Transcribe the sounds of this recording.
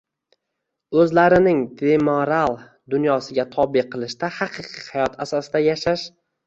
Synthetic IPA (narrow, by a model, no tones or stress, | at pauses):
ɵzlaɾɪnɪŋd̪emoɾalˠ | d̪ʊnjɒsɪɡʲat̪ʰɒbɪqʰɨlˠɪʃt̪ahɑqʰɨqʰɨhajɒt̪ʰasɒsɪd̪ajaʃaʃ